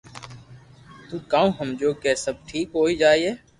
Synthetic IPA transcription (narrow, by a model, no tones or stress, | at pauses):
t̪uːkaːũːɦəmd͡ʒoːkɛːsəb̚ʈʰiːkɦoːiːd͡ʒaːiːeː